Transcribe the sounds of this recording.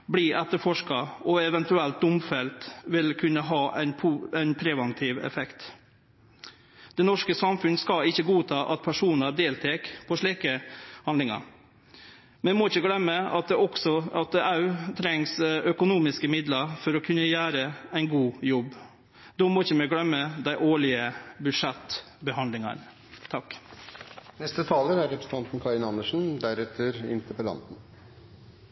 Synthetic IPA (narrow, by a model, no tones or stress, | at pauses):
bliːʔɛt̪ːəɾfɔʂkɑɔɛʋɛnt̪ʉɛlt̪̚d̪ʊmfɛlt̪ʋɪlkʰʉnːəɦɑːʔæɪnpʰɛɪnpʰɾɛʋɛnt̪ʰiːʋɛ̰fɛkt̪ | d̪̥ɛnɔʂkəsɑmfʉnskɑɪçːəɡuːt̪ʰɑːʔɑt̪̚pʰæʂuːnəd̪eːlt̪ʰɛːkpʰɔʂɭiːkəhɑnd̪lɪŋɑ̰ɾ | mɛɛmɔɪçːəɡlɛmːəɑt̪ɛɔksɔɑt̪ɑʉt̪ʰɾɛŋsœkʊnuːmɪskəmɪd̪lɑɾfɔɾɔkʰʉnːəjæːɾəæɪnɡuːjɔbː | d̪ɔmɔɪçːəmɛɡɽœmːəd̪æɪʔoːɭɪəbʉd̪ʂɛt̪ː | bəhɑnd̪lɪŋɑ̰n | t̪ʰɑk | nɛst̪ət̪ʰɑːləæɾɛpɾsn̩t̪ʰɑnt̪n̩kʰɑɾɪnɑnːəʂn̩d̪æɾɛt̪ʰːəɾɪ̰nt̪əɾpəlɑ̰nt̪n̩